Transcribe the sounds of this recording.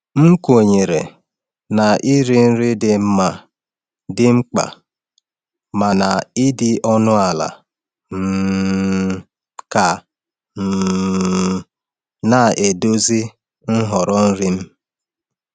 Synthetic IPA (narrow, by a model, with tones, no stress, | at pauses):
m̩˦ko˨ɲe˨ɾḛ˨ | na˨ʔi˦ɾi˦n̩˦ɾɪ˦dɪ˨m̩˦ma˨ | dɪ˦ŋ͡m̩˦k͡pa̰˨ | ma˨na˨ɪ˦dɪ˦ʔɔ˦nʊ˦a˨la̰˨ | m̩˦ | ka˨ | m̩˨ | na˨e˨do˦zi˦ | n̩˦ɦɔ˨ɾɔ˦n̩˦ɾi˦m̩˦